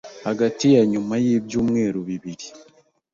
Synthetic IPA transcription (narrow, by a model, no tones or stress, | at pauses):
haɡatijaɲumajeːβjuːmwe̞ːɾuβiβiɾi